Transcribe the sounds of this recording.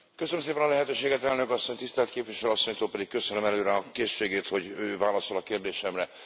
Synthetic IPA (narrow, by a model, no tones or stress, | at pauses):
køsønmseːpɛnɒlɛɦɛt̪øːʃeːɡɛt̪ɛlnøkɒsːo̞ɲt̪ist̪ɛlt̪keːpvʋiʃɛløɒsːo̞ɲt̪oːlpɛd̪ik̚kːø̞sønømɛløːɾɛɒkeːʃːeːɡeːt̪ho̞ɟøːvaːlɒso̞lɒkeːrd̪eːʃɛmrɛ